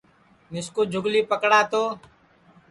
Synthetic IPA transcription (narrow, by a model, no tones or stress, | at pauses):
nɪskoːd͡ʒʱʊɡliːpəkɽaːt̪oː